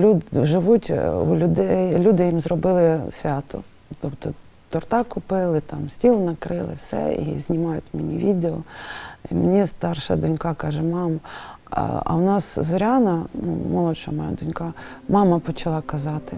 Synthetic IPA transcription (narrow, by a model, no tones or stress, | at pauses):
lʲuʒɪʋutʲṵlʲʊd̪ɛjlʲud̪ɪjimzrɔbɪlˠɪsʲʋʲɑt̪ʊ̰ | t̪ɔpt̪ɔ | t̪ɔrt̪ɑkʊpɪlˠɪt̪ɑmsʲtʲilˠnɐkɾɪlˠɪ̰wsɛ̰ḭzʲnʲimɑjʊ̰tʲmenʲiʋʲid̪eɔḭmenʲist̪ɑrʃɐ̰d̪ʊnʲkɑkɑʒɛmɑmɐ̰ | ɐ̰wnɑszɔɾʲɑnɐnṵmɔlˠɔʃɔɐmɔja̰d̪ʊnʲkɑmɑmɐpɔt͡ʃɐlˠɑkɐzɑt̪ɪ